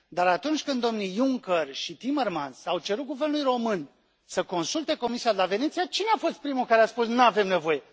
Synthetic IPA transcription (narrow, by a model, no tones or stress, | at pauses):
d̪aɾat̪unt͡ʃʲkɨnd̪o̞mnijuŋkərʃit̪imermansawt͡ʃe̞ɾut̪̚ɡuvernulujɾo̞mɨn | səko̞nsult̪e̞ko̞misiad̪elave̞net̪sijat͡ʃineafo̞st̪̚pɾimulkaɾeaspusnuavemne̞vo̞je̞